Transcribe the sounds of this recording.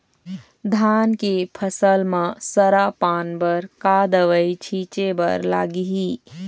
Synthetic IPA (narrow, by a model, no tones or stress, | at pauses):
d̪ʱaːnkipʰəsəlmãsəɾapaːnbəɾkad̪əʋəit͡ʃʰiːt͡ʃebə̰ɾla̰ːɡiɦi